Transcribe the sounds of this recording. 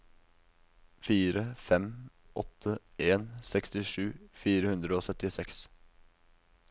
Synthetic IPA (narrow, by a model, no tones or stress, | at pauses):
fiːɾəfɛm | ʔɔt̪ʰːəʔeːnsɛkst̪ɪʂʉːfiːɾəhʉnd̪ɾəoːsœt̪ɪsɛks